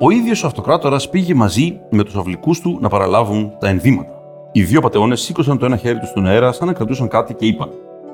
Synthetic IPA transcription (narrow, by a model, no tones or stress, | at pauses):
o̞iðʝo̞soɐft̪o̞kɾɐt̪o̞ɾɐspiʝe̞mɐzime̞t̪u̥sɐvlikust̪unɐpɐɾɐlɐvunt̪ɐe̞nðimɐt̪ɐ̥ | iðjopɐt̪e̞o̞ne̞sːiko̞sɐnt̪o̞e̞nɐçe̞ɾit̪ust̪oneɾɐsɐnɐkɾɐt̪usɐŋkɐt̪ice̞ipɐn